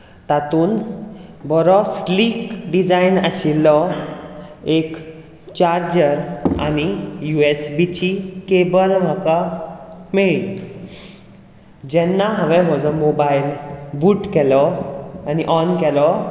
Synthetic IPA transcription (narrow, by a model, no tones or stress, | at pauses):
t̪at̪uːn | bɔɾɔsliːkɖid͡zainəɕilːɔ | ek | t͡ɕaɾd͡ʑəɾa̰ɽ̃ijuesbit͡ɕikebəɾm̤aka | meɭ | d͡ʑɛnːaɦə̃ʋɛ̃ɦɔd͡zɔmobailbuːʈkɛlɔaniʔɔnkɛlɔ